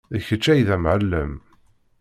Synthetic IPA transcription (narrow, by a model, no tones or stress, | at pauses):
ðəçət͡ʃːæjðæmʕəlːə̰m